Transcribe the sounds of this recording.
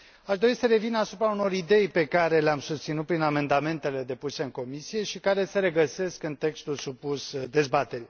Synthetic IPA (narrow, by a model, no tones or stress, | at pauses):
aʃd̪o̞ɾisəɾe̞vinasupɾauno̞ɾid̪e̞jpe̞kaɾe̞leamsust̪sinut̪̚pɾiname̞nd̪ame̞nt̪e̞le̞d̪e̞puse̞ɨŋko̞misije̞ʃikaɾe̞se̞ɾe̞ɡəse̞skɨnt̪e̞kst̪ulsupusd̪e̞zbat̪e̞ɾi